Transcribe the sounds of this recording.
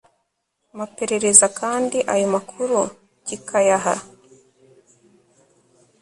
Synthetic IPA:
mape̞ɾe̞ɾe̞zakʰaːndiʔajomakʰuɾu | ɟikʰajaɦa̰

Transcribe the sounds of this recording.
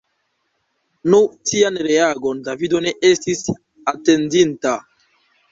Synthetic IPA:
not̪ianɾeaɡond̪avid̪oneʔest̪is | at̪end̪int̪a

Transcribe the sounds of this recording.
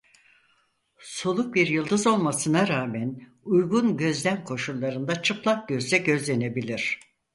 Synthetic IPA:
solˠuk̚biɾjɯlˠd̪ɯzo̞lˠmasɯnaɾaːmæn | ujɡunɟø̞zd̪ænkʰo̞ʃulˠːaɾɯnd̪at͡ʃʰɯplˠak̚ɟ̥øzd̪ɛɟø̞zlʲene̞bilʲiɾ̥

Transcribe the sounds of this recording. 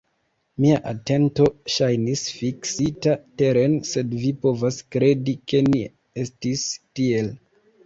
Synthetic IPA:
miaʔate̞nto̞ʃajnisfiksitate̞ɾe̞nse̞dvipo̞vaskɾe̞dike̞ni | e̞stistie̞l

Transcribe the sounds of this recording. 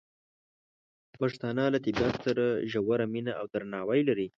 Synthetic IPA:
paʂt̪ɑnɑlat̪ɪbat̪saɾaʒawaɾaminaawd̪aɾanɑwajlaɾi

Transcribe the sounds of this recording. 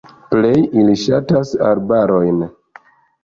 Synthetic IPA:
ple̞jiliʃatasa̰ɾbaɾo̞jn

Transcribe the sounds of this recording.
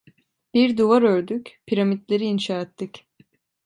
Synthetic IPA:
b̥iɾd̪uvaɾøɾd̪ycpʰiɾamid̪lʲe̞ɾiːnʃaːɛt̪ʰːic

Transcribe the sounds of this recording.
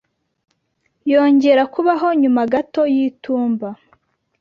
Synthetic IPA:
jo̞ːɲɟe̞ɾakuβaɦo̞ɲumaɡato̞jituːmba

